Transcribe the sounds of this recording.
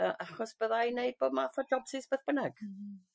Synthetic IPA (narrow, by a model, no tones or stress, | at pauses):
əʔaχɔsb̥əðajneɨd̚b̥oːdmaːfɔdɔbsʰɪsb̥eðb̥ənaɡ̥